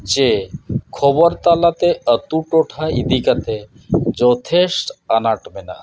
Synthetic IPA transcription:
t͡ʃekʰɔbɔɾt̪alat̪eət̪uʈoʈʰaḭd̪ikat̪e | d͡ʒɔt̪ʰesʈanaʈmena̰

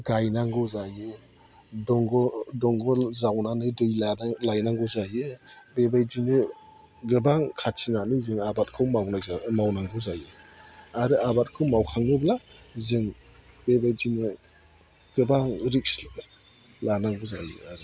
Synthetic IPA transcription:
ɡajnaŋɡɯzajɯ | dɔŋɡɔdɔŋɡɔzawnanɯdɯjlalajnaŋɡɯzajɯbebajd͡ʒinɯ | ɡɯbaŋkʰatʰinanɯzɯŋabat̚kʰɯwmawnaamawnaŋɡɯwzajɯaɾɯabat̚kʰɯwmawkʰaŋnɯblazɯŋ | bebajd͡ʒinɯ | ɡ̥ɯbaŋɾik̚s | lanaŋɡɯzajɯ̰aɾɯ

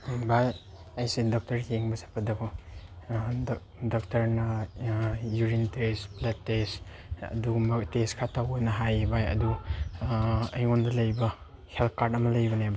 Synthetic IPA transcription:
baj | ajsedɔk̚tɐɾheŋbɐsḁpʰɐdɐkʰɔ | dɔk̚tɐɾnɐ | juɾintesplɐtːes | ɐ̰dumɐteskʰatʰawɡɐnɐɦajbajɐ̰du | ɐjŋondɐlɐjbɐ | hel̚kaɾdɐmɐlɐjbɐnaab

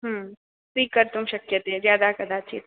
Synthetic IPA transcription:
ɦəː | siːkːɐɾt̪ʊmʃɐkjət̪eɛzjaːd̪akɐd̪aːt͡ʃḭ

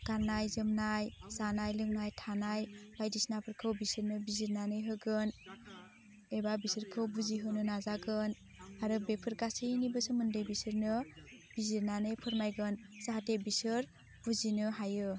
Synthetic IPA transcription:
kanajzɯmnajsanajlɯŋnajtʰanajbajdisnapʰɯɾkʰɯwbisɯɾnɯbiziɾnanɯjɦɯɡɯn | ebabisɯɾkʰɯwbuziɦɯnɯnazaɡɯn | aɾɯbepʰɯɾkasɯnibɯsɯmɯndejbisɯɾnɯb̥iziɾnanɯjpʰɯɾmajɡɯnsaɦatebisɯɾ | b̥uzinɯɦajɯ

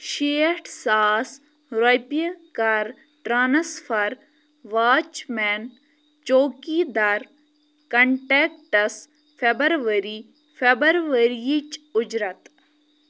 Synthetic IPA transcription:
ʃeːʈʰsaːs | ɾɐjpijɐkaɾ | ʈɾaːnɐsfʰɐɾ | ʋaːt͡ʃmɛːn | t͡ʃoːkid̪aɾ | kɐɳʈeːkʈɐs | fʰebɐɾʋəɾi | fʰebɐɾʋəɾijit͡ʃʊd͡ʒɾɐt̪

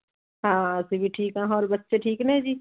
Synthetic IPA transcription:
ɦãːsebʱiʈʰiːkãːɦɔːɾbɐtːʃeʈʰiːknẽɦd͡ʒiː

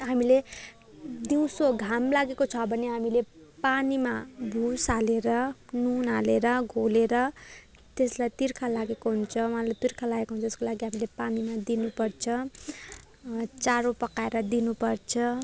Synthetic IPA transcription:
ɦamile | d̪iw̃soɡʱamlaɡekot͡sʰʌbʱʌneɦamilepanimabʱusaleɾʌnunaleɾʌɡʱoleɾʌ | t̪eslajt̪irkʰalaɡekoɦunt͡sʰʌwʌɦalajt̪irkʰalaɡekoɦunt͡sʰʌt̪eskolaɡiɦamilepanimad̪inupʌrt͡sʰʌ | t͡saɾopʌkaeɾʌd̪inupʌrt͡sʰʌ

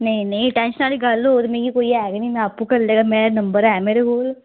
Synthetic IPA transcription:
nɐĩnɐĩʈɛ̃ːnʃənaːliɡɐlɦoːt̪meɡikoːiɛːɡnĩnɛ̃ːpːukɐɾleːɡamẽnɐmbəɾɛːmeːɾeɡoːl

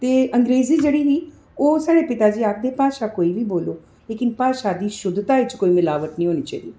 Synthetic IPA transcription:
t̪eːəŋɡɾeːziːd͡ʒeːɽiːɦiː | oːsaːɽeːpɪt̪aːd͡ʒiːakʰd̪eːpaːʃaːkoːiːʋiːboːloː | leːkɪnpaːʃaːd̪iːʃʊd̪t̪aːɪt͡ʃkoːiːmɪlaːʋəʈnĩːɦoːniːt͡ʃaːid̪iː

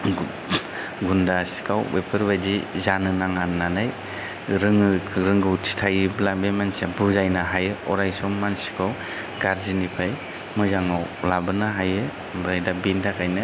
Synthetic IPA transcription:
ɡundasi̥kʰawwepʰɯɾbajdizanɯnaŋanːanaj | ɾɯŋɯɾɯŋɡɯwtʰi̥tʰajblabemansabuzajnaɦajɯɔɾajsɔmːansi̥kʰaw | ɡaɾzinipʰaj | mɯjzaŋawlabɯnaɦajɯ | ɾajdabintʰakʰajnɯ

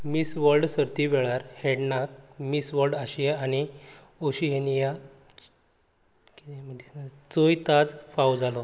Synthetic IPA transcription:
misʋəɾɖsəɾt̪iʋeɭaɾheɽnak̚misʋəɾɖaɕieaɽ̃i | oɕiɦenija | kieməisnt͡sojt̪ad͡zfawd͡zalɔ

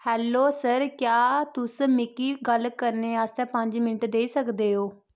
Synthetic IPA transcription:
hɛːlːoːsəɾkjaːt̪ʊsmɪkiːɡəlkəɾneːaːst̪ɛ̃ːpəɲd͡ʒmɪnəʈd̪eːiːsəkd̪eːɦoː

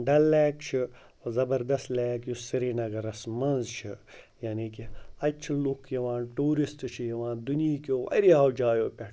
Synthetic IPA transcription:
ɖɐlːɛːkt͡ʃʰi | zɐbɐɾd̪ɐst̪lɛːkjusiɾiːnɐɡɐɾɐsmɐnzt͡ʃʰijaːniːkiɐt͡ʃʰilukʰjɐʋãːnʈuːɾist̪t͡ʃʰijɐʋãːnd̪uniiːkoːʋɐ̰ɾiɦawd͡ʒaːjoːpʲɐʈ

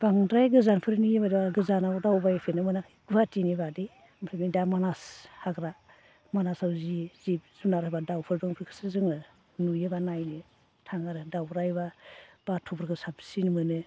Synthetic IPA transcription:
b̥aŋdɾajɡɯzanpʰɯɾnujebadibaɡɯzanabadawbajpʰenɯmɯnak | ɡubʰatinibadi | mɾʰenidamanashaɡɾa | manasawzizip̚z̥unaɾhabadawpʰɯɾbɯŋpʰɯɾkʰɯ̥sɯzɯŋɯ | nujɯbanajni | tʰaŋaɾɯdawɾajbab̥atʰubʰɯɾkʰɯsapsinmɯnɯ

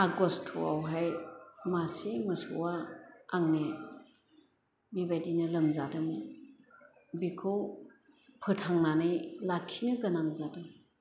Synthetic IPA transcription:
aɡɔstʰua̰wɦajmasemɯsṵwaaŋne | bibajdinɯlɯmzadɯm | bikʰɯw | pʰɯtʰaŋnanɯjlakʰːinɯɡɯnaŋzadɯ

